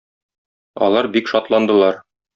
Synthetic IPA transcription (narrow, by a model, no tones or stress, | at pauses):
ɒ̰lˠɑɾbikʃɒt̪lˠɑnd̪ɤ̆lˠɑɾ